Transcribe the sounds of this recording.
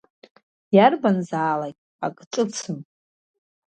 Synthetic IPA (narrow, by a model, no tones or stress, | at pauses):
jarbanzaːlakʲ | a̰kʼʈ͡ʂʼɨt͡sʰɨn